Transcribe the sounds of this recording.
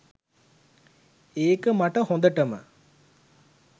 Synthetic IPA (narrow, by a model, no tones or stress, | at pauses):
eːkəmɐʈɐhõnd̪ɐʈɐmə̰